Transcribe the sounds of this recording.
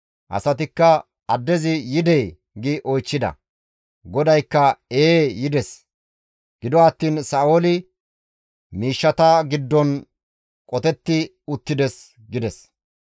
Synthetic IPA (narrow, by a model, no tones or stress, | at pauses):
ʔɐ̰sɐt̪ɪkːɐ | ɐd̪ːɛzɪjɪd̪ɛj | ɡɪʔɔjt͡ʃːɪd̪ɐ̰ | ɡɔd̪ɐjkːɐeːjɪd̪ɛs | ɡ̥ɪd̪ɔɐt̪ːiːnsaːolɪ | miːʃːɐt̪ɐɡɪd̪ːɔn | kʼɔt̪ɛt̪ːɪ | ʊt̪ːɪd̪ɛs | ɡɪd̪ɛs